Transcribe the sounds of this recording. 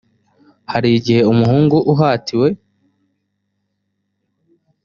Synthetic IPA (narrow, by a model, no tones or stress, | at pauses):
haɾiɟihe̞umuhuːŋɡuʔuɦaːtʰiwe̞